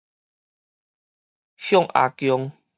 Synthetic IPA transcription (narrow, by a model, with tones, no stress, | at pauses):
hjɔ˥˨ŋʔa̰˨˧kjɔ˧ŋ